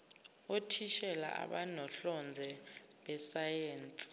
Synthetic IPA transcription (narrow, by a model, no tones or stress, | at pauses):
otʰiʃɛla̰ʔa̰ɓanɔɬɔnd͡zʱɛ | ɓɛsajeːnt͡sʼi̥